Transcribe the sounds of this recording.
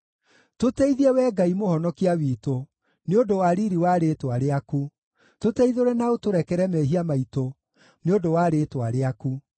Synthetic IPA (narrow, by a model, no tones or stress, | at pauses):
totɛiðiɛwɛːɡaimohɔnɔkiawiːto | neodowaɾiɾiwaɾetwaɾeaku | totɛiðoɾɛnaotoɾɛkɛɾɛmɛɦiamaito | neodowaɾeːtwaɾeaku